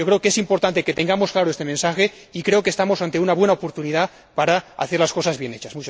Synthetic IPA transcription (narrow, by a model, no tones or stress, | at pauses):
okɾeokeesimpo̞ɾt̪ant̪eke̞t̪e̞ŋɡamo̞sklaɾoest̪emensaxe̞ | ikɾe̞okest̪amosant̪e̞unaβwe̞naopo̞ɾt̪uniða | paɾaa̰θe̞ɾlasko̞sazβje̞net͡ʃasmut͡ʃ